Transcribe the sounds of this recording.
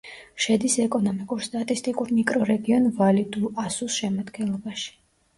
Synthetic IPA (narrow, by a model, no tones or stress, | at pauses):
ʃɛd̪isɛkʼɔnɔmikʼuɾst̪ʼat̪ʼist̪ʼikʼuɾmikʼɾɔɾɛɡiɔnvalid̪uasusʃɛmad̪ɡɛnlˠɔbaʃi̥